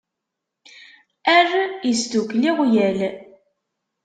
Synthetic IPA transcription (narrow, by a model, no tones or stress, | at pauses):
ærjəst̪ukliʁjæl